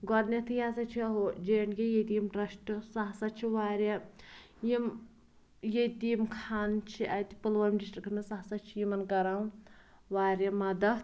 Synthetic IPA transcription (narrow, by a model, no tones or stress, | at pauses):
ɡɔɾnet̪ʰɨjaːsɐt͡ʃʰiɐɦud͡ʒeːɳɡʲejed̪iːmɾɐʃʈɨsɐɦsɐt͡ʃʰiʋaːɾʲe | jim | jed̪iːmkʰaːnt͡ʃʰiʔɐt̪i̥pɨlʋɐjmɖisʈɾikʰnɐsɐɦsɐt͡ʃʰijimɐnɡɐɾaw | ʋaːɾemɐd̪ɐ